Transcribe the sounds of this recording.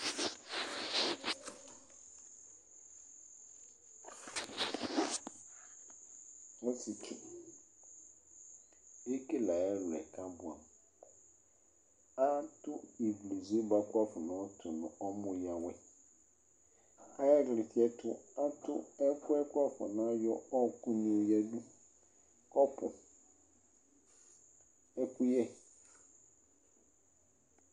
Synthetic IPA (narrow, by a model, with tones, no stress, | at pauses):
ɔ˦ti˨tʰɛ̰˨ | e˦ke˦la˨ɛ˦lʊ˨ɛ̰˨kʰã˦bʊ˨a̰˨m | a˦tʊ˦i˨ɡle˨zi˦ba˨kʊ˦a˦fɔ˨nã˨˦tʰʊ˨nʊ̰̃˨ɔ˦mʊ̃˦jã˨wɛ˦ | a˦ɛ˦ɡlɪ˨tʰi˨˦ɛ˦tʰʊ˦a˦tʊ˦ɛ˦kʊ˦ɛ˦kʊ˦a˦fɔ̰˨nã˦jɔ˦ɔ˦˨ku˦nĩ˨o˨jɛ˦dũ˦ | kɔ˦pʰʊ̰̃˨ | ɛ˦ku˦jɛ˦